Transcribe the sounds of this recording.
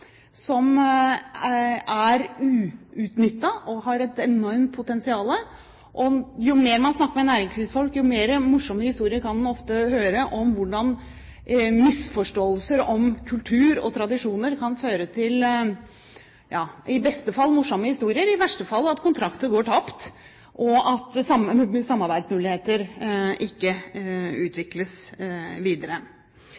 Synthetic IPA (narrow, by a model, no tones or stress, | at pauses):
sɔm | æɾʉːʉːt̪nʏt̪ːɑʔɔɦɑɾɛt̪ɛnɔɾmt̪̚pʰʊt̪ɛnsɪɑːlə | ʔɔjʊmeːɾmɑnsnɑkːəɾmɛnæːɾɪŋsʋiːsfɔlkjʊmeːɾəmʊʂːɔmːəhɪst̪uːɾɪəɾkʰɑnd̪nɔft̪əhøːɾəʔɔmʋʊɖɑn | mɪsfɔʂʈoːəlsəɾɔmkʰʉlt̪ʰʉːɾɔ̰t̪ʰɾɑd̪ɪʂuːnəɾkʰɑnføːɾət̪ʰɪl | jɑːɪbɛst̪əfɑlːmʊʂːɔmːəhɪst̪uːɾɪəɾɪʋæʂʈəfɑlːəɑt̪kʰʊnt̪ʰɾɑkt̪əɡoːʈʰɑpt̪ | ʔɔɑt̪sɑmsɑmːɑɾbæɪd̪smʉːlɪheːt̪əɾʔɪkːəʉːt̪ʰʋɪkləsʋiːd̪əɾə